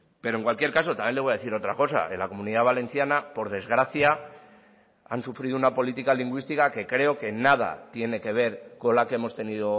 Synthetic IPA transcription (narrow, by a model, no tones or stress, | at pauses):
pe̞ɾoe̞ŋkwalkje̞ɾkas̬o̞t̪amjele̞ojaðeθiɾot̪ɾako̞sa̰elako̞mũniðaβale̞nθjanapo̞ɾðe̞zɣ̞ɾaθja | a̰nsufɾiðounapo̞lit̪ikaliŋɡwist̪ikake̞kɾe̞o̞ke̞nað̞a̰t̪je̞ne̞ke̞β̞e̞ɾko̞nlake̞e̞mo̞st̪e̞niðo̞